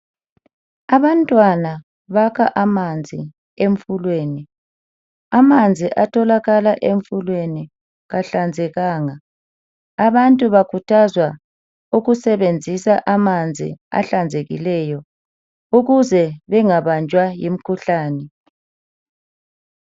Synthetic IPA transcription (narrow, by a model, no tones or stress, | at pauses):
aβantʼwana | βakʰaʔamand͡zʱi | eɱfulweːni | amand͡zʱiʔatʰɔlaɣalaʔeɱfulweni | ɣaɬand͡zʱɛɣaːŋaː | βantʼuβakʰutʰazwa | uɣusɛβend͡zʱisaʔamand͡zʱḭa̰ɬand͡zʱeɣḭlɛjɔ | uɣuzɛβɛŋaβand͡ʒʱwajim̩kʰuɬaːnɛ